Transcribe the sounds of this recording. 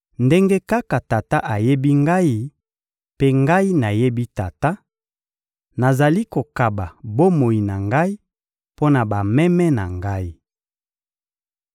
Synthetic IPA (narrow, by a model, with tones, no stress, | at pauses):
nde˦ŋɡe˦ka˦ka˨ta˨ta˦ʔa˨je˦bi˦ŋɡa˦i˦ | pe˦ŋɡa˦i˦na˨je˦bi˦ta˨ta˦ | na˨za˨li˦ko˨ka˨ba˨bo˦mo˨i˨na˨ŋɡa˦i˦ | po˦na˨ba˨mɛ˦mɛ˦na˨ŋɡa˦i˦